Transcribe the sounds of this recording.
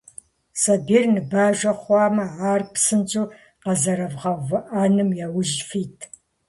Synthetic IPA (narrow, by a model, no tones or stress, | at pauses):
sɐbiːrnɨbaːʒʷɐχʷɑːmɐaːrpsɨnt͡ʃʼuː | qɐzɐɾɐvʁɐvɨʔaːnɨmjawʊʒfiːtʰ